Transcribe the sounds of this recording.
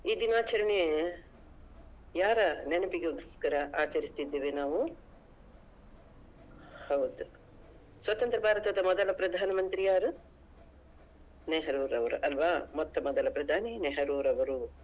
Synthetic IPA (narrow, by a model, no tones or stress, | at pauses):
iːd̪inaːt͡ʃɐɾɐɳe | jaːɾɐnenɐpiɡjoːɡiskɐɾɐʔaːt͡ʃɐɾist̪id̪ːeːʋenaːʋu | hɐwd̪u | sʋɐt̪ɐnt̪ɾɐbʱaːɾɐt̪ɐd̪ɐmɔd̪ɐlɐpɾɐd̪ʱaːnɐmɐnt̪ɾijaːɾu | neɦɐɾuːɾɐʋɐɾṵʔɐlʋaːmɔt̪ːɐmɔd̪ɐlɐpɾɐd̪ʱaːneneɦɐɾuːɾɐʋɐɾu